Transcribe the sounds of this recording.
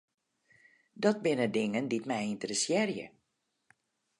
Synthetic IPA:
dɔt̚bɪnədɪŋənditmɛjɪntərəsjɪrjə̰

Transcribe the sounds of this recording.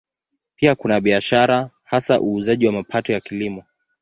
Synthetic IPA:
piakunaɓiaʃaɾa | hasaʔuːzaʄiwamapʰatɔjakilimɔ

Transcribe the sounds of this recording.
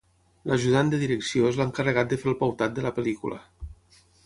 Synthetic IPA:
lʔaʒuðand̪əðiɾeksiozlaŋkərəɣat̪̚d̪əfeɾlˠpawt̪at̪̚d̪əlapəlikṵlə̰

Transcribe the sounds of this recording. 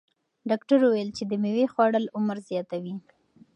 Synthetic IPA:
ɖɑkʈaɾuwajəlt͡ʃed̪əmewexwɑɽəlʊmaɾzjɑt̪awi

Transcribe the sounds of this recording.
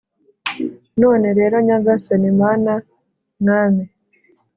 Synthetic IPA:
no̞ːne̞ɾe̞ːɾoɲaɡasanimaːna | ŋaːme

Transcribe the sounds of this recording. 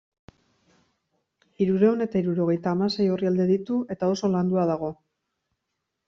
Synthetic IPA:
iɾuɾe̞one̞t̪aiɾuɾo̞ɣ̞e̞jt̪aːmase̞jo̞riald̪e̞ðit̪ue̞t̪ao̞so̞land̪uað̞aɣ̞o̞

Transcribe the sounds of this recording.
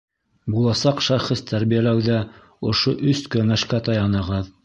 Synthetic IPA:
bulˠɑsɑqʃɑχɤst̪ʰæɾbijælæwðæ | ŏʃoʔɵskɵŋæʃkæt̪ɑjɑnɤ̆ʁɤð

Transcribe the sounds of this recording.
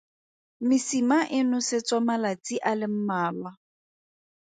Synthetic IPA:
mɪsimaʔɪnʊsɪt͡sʼɔmalat͡sʼiʔalɪm̩maːlwa

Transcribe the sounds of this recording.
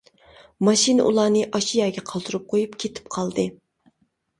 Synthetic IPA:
mɑʃin̰ʔṵlˠɑːnɨʔɑʃijɑːɡʲɛqʰɑlˠt̪ʰuɾup̚qʰojupkʲʰet̪ʰɪ̥p̚qʰɑlˠd̪ɨ

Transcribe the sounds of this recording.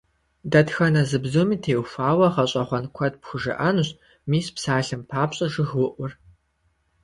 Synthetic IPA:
dɐtxɐnɐzɨbzumiːtʰeːwxʷaːwɐʁɐɕʼɐχʷɔnkʷʰɔɐd̚pxʷʊʒɨ̰ʔɐnuɕ | miːspsaːɬɨmpʰaːpɕʼɐʒɨxwʊʔʷʊr

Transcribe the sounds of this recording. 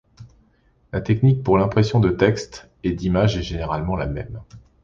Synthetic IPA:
lat̪ɛknik̚puʁlɛ̃pχesjɔ̃d̪ət̪ɛkst̪ | ɛd̪imaʒɛʒeneʁalmɑ̃lamɛm

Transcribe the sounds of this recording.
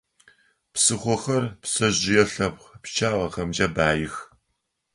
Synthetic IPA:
psɨχʷɔxɐrpsɐʑɪjɛɬɐpχpt͡ʃʰaːʁɐχɐmd͡ʒɐbaːjɪx

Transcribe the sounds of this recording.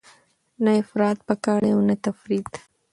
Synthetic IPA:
naɪfɾɑːt̪̚pəkɑːɽeawnat̪afɾit̪

